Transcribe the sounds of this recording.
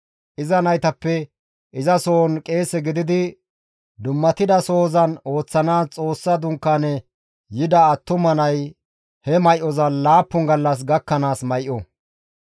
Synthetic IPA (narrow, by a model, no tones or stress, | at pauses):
ʔɪzɐnɐjt̪ɐpːɛ | ʔɪzɐso̞ːnkʼe̞ːsɛɡɪd̪ɪd̪ɪ | d̪ʊmːɐt̪ɪd̪ɐso̞ːzɐno̞ːt͡sːɐnaːst͡sʼo̞ːsːɐd̪ʊŋkːanɛ | jɪd̪ɐːt̪ːʊmɐnɐj | hɛmɐjʔɔzɐlaːpːʊŋɡɐlːɐs̬ɡɐkːɐnaːsmɐjʔɔ